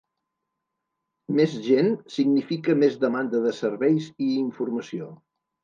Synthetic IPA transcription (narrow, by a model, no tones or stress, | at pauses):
mezʒensiɡnifikəmezðəmand̪əðəsəɾβɛjziiɱfuɾməsio